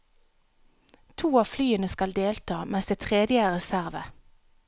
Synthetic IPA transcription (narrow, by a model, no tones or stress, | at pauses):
t̪ʰuːɑːflyːənəskɑld̪eːlt̪ʰɑːmɛsd̪eːt̪ʰʁeːd̪ɪəəʁɛsæʁʋə